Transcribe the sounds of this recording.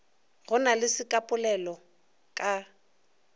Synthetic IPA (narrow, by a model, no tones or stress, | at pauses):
ɣʊnalɪsɪkʼapʼʊlɛlɔ | kʼa